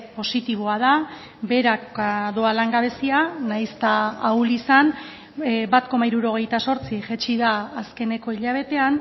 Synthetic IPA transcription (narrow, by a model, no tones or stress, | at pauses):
po̞sit̪iβ̞o̞að̞a | be̞ɾakaðoalaŋɡaβ̞e̞sianajst̪aːwlisan | bat̪ko̞maiɾuɾo̞ɣ̞e̞jt̪aso̞ɾt͡siʝet͡ʃiðaːske̞ne̞ko̞iʎaβ̞e̞t̪e̞an